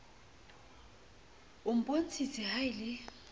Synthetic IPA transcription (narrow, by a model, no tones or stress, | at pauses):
ʊm̩pʼon̩t͡sʰit͡sʰɪhaɪlɪ